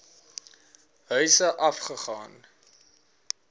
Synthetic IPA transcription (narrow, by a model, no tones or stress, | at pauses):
ɦœɥsəʔɐfχəχɑːn